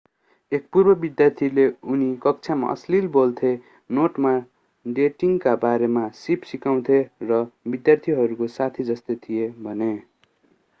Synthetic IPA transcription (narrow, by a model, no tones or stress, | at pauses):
ek̚purbʌbid̪jart̪ʰileunikʌk̚t͡sʰama̰ʔʌ̰slilbolt̪ʰe | noʈma | ɖeʈiŋkabaɾemasipsikaw̃t̪ʰerʌbid̪jart̪ʰiɦʌɾukosat̪ʰid͡zʌst̪et̪ʰijebʱʌne